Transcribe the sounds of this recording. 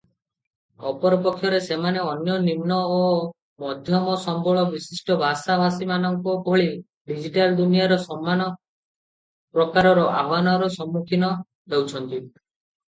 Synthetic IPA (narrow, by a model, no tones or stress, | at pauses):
ɔpɔɾɔpɔkʰːjɔɾesemaneɔnjɔnimnɔo | mɔd̪ʱjɔmɔsɔmbʱɔɭɔbisisʈɔbʱasabʱasimanɔŋkubʱɔɭi | ɖid͡ʒiʈald̪unijaɾɔsɔmːanɔ | pɾɔkaɾɔɾɔʔa̰banɔɾɔsɔmːukʰinɔ | bewt͡ʃʰɔnt̪i